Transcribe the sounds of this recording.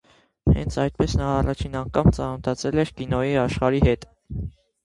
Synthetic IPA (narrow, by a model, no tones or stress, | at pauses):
hɛ̰nt͡sʰɑjt̪̚pɛsnɑːrɑt͡ʃʰinɑŋkʰɑmt͡sɑnət̪ʰɑt͡sʰɛlɛɾkinɔjiɑʃχɑɾihɛt̪